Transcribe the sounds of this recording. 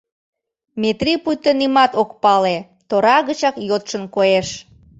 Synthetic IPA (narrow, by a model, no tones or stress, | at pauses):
met̪ripujt̪ənimɑt̪okpɑle | t̪oɾɑɣət͡ɕɑkjot̪ʃənkoeʃ